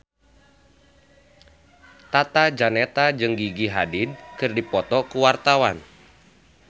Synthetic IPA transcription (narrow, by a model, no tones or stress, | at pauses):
t̪at̪ad͡ʒanɛt̪ad͡ʒɨŋɡiɡiɦadɪd̚kɨrdipɔt̪ɔkuwart̪awan